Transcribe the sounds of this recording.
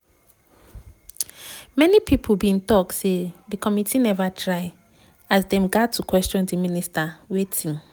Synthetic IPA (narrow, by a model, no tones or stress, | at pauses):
mɛnipʰipʰubĩntɔksedikʰɔmitʰinɛvatʰɹaɪ | asdɛ̃mɡatʰːukwɛstɔ̃ndiministawetʰĩŋ